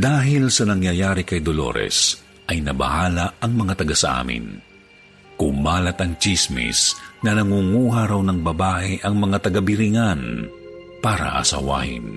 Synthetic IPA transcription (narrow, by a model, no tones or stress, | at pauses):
d̪aːɦɪlsɐnɐŋjɐjaːɾɪkɐjd̪olo̰ɾɛ̰s | ʔɐjnɐbɐ̰haːlaɐŋmɐŋat̪ɐɡasɐ̰ʔa̰ːmɪ̰n | kʊmaːlɐt̪ɐŋt͡ʃismɪ̰snɐnɐŋuŋuːɦaɾawnɐŋbɐbaːʔɛʔɐŋmɐŋat̪ɐɡabɪɾɪŋan | paːɾɐ̰ʔɐ̰sɐ̰wa̰hɪ̰n